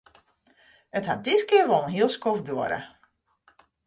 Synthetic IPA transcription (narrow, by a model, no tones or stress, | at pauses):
əthat̚dɪskɪəʋolˠn̩ɦiəlˠskofdoəɾə̰